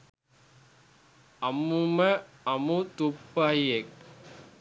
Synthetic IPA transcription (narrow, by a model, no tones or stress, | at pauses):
ɐmːumɐ | ɐmut̪upːajek̚